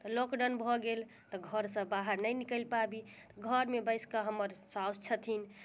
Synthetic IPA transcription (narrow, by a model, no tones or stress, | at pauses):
t̪ɔlokɖənbʱɔɡel | t̪ɔɡʱəɾsə̃baɦəɾnəjnikəlpabit̪ɔɡʱəɾmebəjskaɦəmːəɾsawst͡ʃʰət̪ʰin